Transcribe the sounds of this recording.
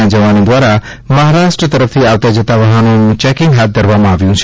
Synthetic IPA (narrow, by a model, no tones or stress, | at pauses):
ãd͡ʒɐʋanid̪waɾa | mɐɦaɾaʃʈɾət̪əɾəp̚ʰt̪ʰiawt̪ad͡ʒet̪aʋɐɦanũt͡ʃɛkɪŋɡɦat̪̚d̪əɾbamãaʋjũt͡ʃʰ